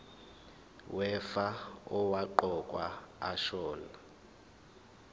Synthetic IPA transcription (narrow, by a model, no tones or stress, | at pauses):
wɛfaɔwaǃɔkʼwaːʃɔːla